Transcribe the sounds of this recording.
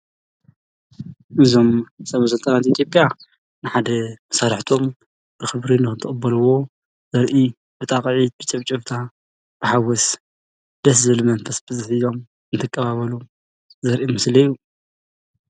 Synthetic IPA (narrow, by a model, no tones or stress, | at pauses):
ʔɨzo̞msɐβɐsɨlt̪ʼɐnat̪it̪ʰjo̞pʼja | nɨħad̪ɐmɐsaɾħt̪ʰo̞m | b̥ɨxɨβɾinɨxɨnt̪ʰɨχʼɨbːɐlɨwo̞ | zɐɾʔi | bɨt̪ʼaqʼʕit̪̚bɨt͡ʃʼɐβt͡ʃʼɨβt̪ʰa | b̥ɨħawɔs | d̪̥ɐs̬zɨɨlɨmɐnfʰɐsbɨzɨħizo̞m | ɨnt̪ʰɨkʼːɐβaβɐlu | zɐɾʔimɨslɐju